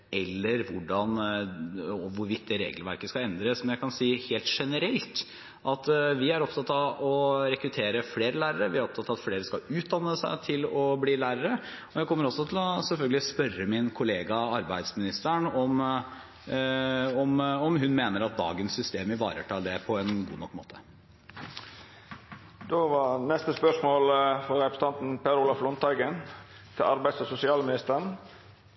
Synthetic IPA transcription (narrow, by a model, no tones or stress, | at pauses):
ʔɛlːəɾʋʊɖɑn | ɔʋʊɾʋɪt̪̚ːd̪ɛɾḛːɡlʋæɾkəskɑɛnd̪ɾəsmɛnjæɪkɑnsiːheːlt̪ʂɛnəɾɛlt̪ | ʔɑt̪ʋɪæɾɔpt̪ʰɑt̪ːɑʋɔɾɛkɾʉt̪ʰeːɾəfleːɾəlæːɾəɾəʋɪæɾɔpt̪ʰɑt̪ːɑɑt̪fleːɾəskɑʉːt̪̚d̪ɑnːəsæ̰ɪt̪ʰɪlɔbliːlæːɾəɾə | ɔjæɪkʰɔmːəɾɔsːɔt̪ʰɪlɔsɛlfœlɡəlɪspœɾəmɪnkʰʊleːɡɑɑɾbæɪd̪smɪnɪst̪əɳɔm | ɔmɔmɦʉnmeːnəɾɑt̪̚d̪ɑ̰ːɡənsːʏst̪eːmɪʋɑ̰ːɾəʈ̪ʰɑːd̪ɛpʰɔɛnɡṵːnɔkːmo̰ːt̪ʰə̥ | d̪oʋɑɾnɛst̪əspœʂmoːlfɔɾɾɛpɾə̥t̪ɑnt̪n̩pʰæɾulɑflɔnt̪ɑɪɡən | t̪ʰɪlɑɾbæɪsɔsʊsɪɑːlmɪnɪst̪əɾɳ